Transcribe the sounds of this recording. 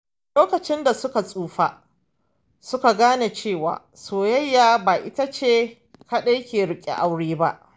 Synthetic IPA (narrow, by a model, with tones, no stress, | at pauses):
loː˦kɐ˨t͡ʃɪ˦nda˨sʊ˦ka˨sʼuː˨ɸa˦ | sʊ˦ka˨ɡaː˦ne˨t͡ʃeː˦˨wa̰ː˨ | soː˨jɐ˦jːaː˨baː˨ʔɪ̰˦ta˦t͡ʃeː˦ | ka˦ɗa˦kʲeː˨ɽɪ˦kʲʼḛ˨ʔa˦wɽeː˦ba˦ʔ